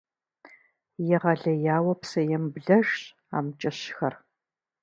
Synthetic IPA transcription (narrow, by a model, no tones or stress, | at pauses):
jɛʁɐɮɐjaːwɐpsɐjɛmbɮɐʒ | a̰ːmt͡ʃʼɐɕxɐr